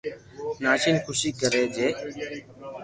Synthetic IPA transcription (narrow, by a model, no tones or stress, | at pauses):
naːt͡ʃiːnkʰʊsiːkəɾeːd͡ʒeː